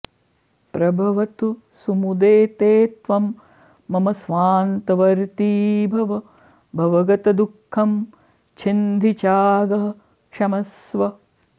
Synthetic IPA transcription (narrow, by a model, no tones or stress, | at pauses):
pɾɐbʱɐʋɐt̪u | sumud̪eːt̪eːt̪ʋɐmː | ɐmɐsʋaːnt̪ɐʋɐɾt̪iːbʱɐʋɐ | bʱɐʋɐɡɐt̪ɐd̪ukʰːɐm | t͡ʃʰind̪ʱit͡ʃaːɡɐɦɐ | ʃɐmɐsʋɐ